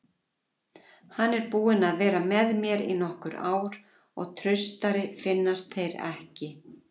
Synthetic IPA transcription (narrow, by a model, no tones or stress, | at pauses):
hanːɛɾpuːɪnaðvɛːɾamɛðmjɛɾḭnɔhkʏɾaːwɾ̥ | ɔ̰ɣt̪ʰɾœɥst̪aɾɪfɪnːast̪θejɾɛ̰hcɪ